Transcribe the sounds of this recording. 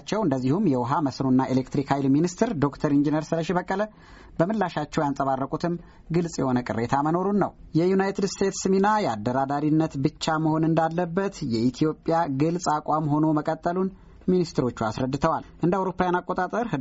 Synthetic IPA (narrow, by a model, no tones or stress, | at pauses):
t͡ʃːɛwɨnd̪əzːihumjɛwɔɦaməsɾunːaelekt̪ɾikhajlminist̪ʰɾd̪o̞kt̪ʰəɾind͡ʒinjəɾsɨləʃiβəkʼːələ | bəmɨlːaʃat͡ʃːɛwjansʼəβarːəkʼut̪ʰɨm | ɡɨlsʼjɛ̰ho̞nəkʼɨ̰rːet̪ʰaməno̞ɾunːəwjɛjunajt̪ʰɨd̪st̪ʰe̞t̪sɨminajɛad̪ːəɾad̪aɾinːət̪bɨt͡ʃːaməho̞nɨnd̪alːəbːət̪jɛʔit̪ʰijo̞pʼːjaɡɨlsʼakʼʷamho̞no̞məkʼət̪ʼːəlun | minist̪ʰɨɾo̞t͡ʃːuasɾəd̪ːɨt̪ʰəwalʔɨnd̪əawɾo̞pːajanakʼːot̪ʼat̪ʼəɾhɨ